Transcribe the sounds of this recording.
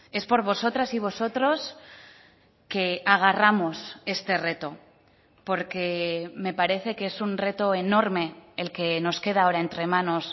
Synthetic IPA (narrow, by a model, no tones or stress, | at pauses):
e̞spo̞ɾβo̞so̞t̪ɾasiβ̞o̞so̞t̪ɾo̞s | ke̞aɣ̞aramo̞se̞st̪e̞re̞t̪o̞ | po̞ɾke̞me̞paɾe̞θe̞keesunre̞t̪o̞e̞no̞ɾme̞ːlke̞no̞ske̞ð̞ao̞ɾae̞nt̪ɾe̞mãno̞s